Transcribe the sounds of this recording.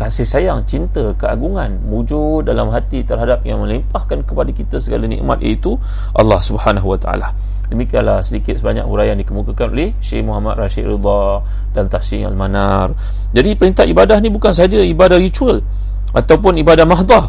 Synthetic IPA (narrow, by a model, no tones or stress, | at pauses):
kasɪhsajaŋt͡ʃint̪əkəaɡuŋanmud͡ʒudalamɦat̪it̪ərɦadap̚jaŋmə̃limpahkankəpadakit̪əsəɡalanɛ̰̃ʔma̰t̪̚jə̰it̪u | ʔɑ̰lːɑhsubhanaɦuwat̪aʔa̰la | dəmikianlahsədikɪt̪səbaɲa̰kṵɾajandikəmukakanolehʃḛhmuɦamat̪̚raʃḭʔɾḭd̪ˤɑ | dant̪afsiŋa̰lmana̰r | d͡ʒadipəɾint̪aʔibadaɦnĩbukans̬aɦad͡ʒaibadahɾit͡ʃuəl | ʔat̪awp̬ʊnibadahmaɦd̪ˤɑ